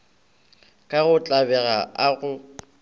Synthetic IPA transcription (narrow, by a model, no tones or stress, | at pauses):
kʼaɣʊt͡ɬʼabɛɣaaɣʊ